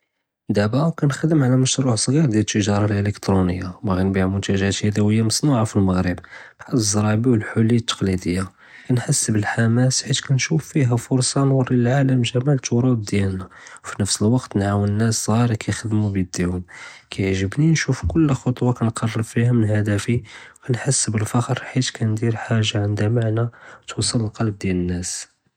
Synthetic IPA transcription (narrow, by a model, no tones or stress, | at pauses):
d̪æbækænxd̪əmʕalæməʃɾuʕsˤɣiɾˤd̪jælət̪ːəʒɑɾˤɑlʔələkt̪ɾunəjːabæɣænbiʕmʊnt̪æʒæt̪hæd̪æwəjːamɑsˤnuʕafilməɣɾəbbħad̪zˤɾˤɑbiwəlħʊlːəjːat̪ːɑ̥qlid̪əjːa | kænħasːəbəlħamæsħit̪kænʃufːiɦæfʊɾsˤɑnwɑrˤːillʕaləmʒæmælt̪ʰʊɾub̚d̪jælnæ | wfinəfsəlwɑqt̪nʕawənənːæszˤɑɾˤkʰæjxəd̪mubjəd̪ːihʊmkʰæjʕʒəbninʃufkʊlːxot̪ˤwɑkænqɑrˤːəɾfihæmənhæd̪æfikænħasːbəlfɑxɾˤħit̪kʰænd̪iɾħaʒːaʕənd̪æmaʕnæt̪wɑsˤːələlqɑlb̚d̪jælənːæs